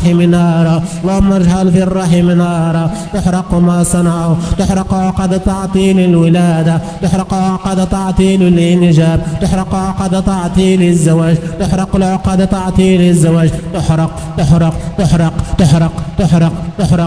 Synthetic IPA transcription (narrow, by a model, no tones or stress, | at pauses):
ħimɪnɑːɾˤɑlˤːɑːʊmːɑɾʒħalfirˤːɑħimɪnɑːɾˤɑt̪ʊħɾˤɑqmasˤɑnɑʕʊt̪ʊħɾˤɑqlʕaqɑːd̪at̪ɑʕt̪ˤiːlɪlwɪlaːd̪at̪ʊħɾɑqlʕaʕqɑːd̪at̪ˤɑʕt̪ˤiːllnʒaːb̚t̪ʊħɾˤɑqʕaqɑːd̪at̪ɑʕt̪ˤiːlɪzːawaːʒt̪ʊħɾˤɑqɪlʕoqɑːd̪at̪ɑʕt̪ˤiːlɪzːawaːʒt̪ʊħɾˤɑq | t̪ʊħɾɑqt̪ʊħɾˤɑqt̪ʊħɾɑqt̪ʊħɾɑqt̪ʊħɾɑ